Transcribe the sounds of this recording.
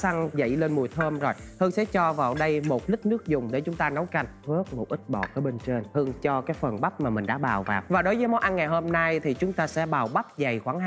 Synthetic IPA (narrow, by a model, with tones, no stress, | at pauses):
sa˧ŋzə̰˧˨jle˧nmu˨˩ət̪ʰəː˧mzo˨˩jt̪ʰɨ˧əŋsɛ̰˧˥t͡ɕɔ˧vaː˨˩wɗə˧jmo˨˩t̚li˦˥k̚nɨ˦˥ək̚zʊ˨˩ŋ͡mɗe˧˩t͡ɕʊ˨˦ŋ͡mt̪aː˧nə˨˦wka˧˩jŋvɨ˦˥ək̚mo˨˩t̚ʔï˦˥k̟̚ɓɔ̰˧˩kəː˨˦ɓe˧nt͡ɕe˧nh̪ɨ˧əŋt͡ɕɔ˧kaː˨˦jfə˨˩nɓa˦˥p̚maː˨˩mï˨˩ŋ̟ɗa̰ː˧˥ɓaː˨˩wvaː˨˩w̚vaː˨˩ɗo˨˦jvəː˨˦m˧˨˦jʔa˧nŋa˨˩jɦo˧mna˧jt̪ʰi˨˩t͡ɕʊ˨˦ŋ͡mt̪aː˧sɛ̰˧˥ɓaː˨˩wɓa˦˥p̚za˨˩jxwaː˧˩ŋɦ